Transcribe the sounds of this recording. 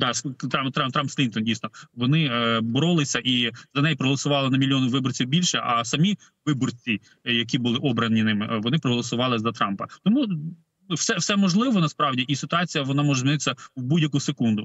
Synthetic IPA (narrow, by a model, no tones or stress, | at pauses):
d̪ɑst̪ɑmt̪ɾɑmt̪ɾɑmpstlʲint̪ɔndʲijsnɔʋɔnɪbɔɾɔlˠɪsʲɐʔizɐnɛjipɾɔɦɔlˠɔsʊʋɑlˠɪnɐmʲilʲjɔnɪʋɪbɔrt͡sʲiwbʲilʲʃɛʔɐ̰sɐmʲi | ʋɪbɔrt͡sʲi | jɐk̬ʲibʊlˠɪʔɔbɾɐnʲinɪmɪʋɔnɪpɾɔɦɔlˠɔsʊʋɑlˠɪzɐt̪ɾɑmpɐt̪ɔmu | wsɛfsɛmɔʒlˠɪʋɔnɐspɾɑwdʲiʔisɪt̪ʊɑt͡sʲijɐʋɔnɑmɔʒɛzʲmʲinɪt̪ɪsʲɐwbudʲjɐkusekund̪ʊ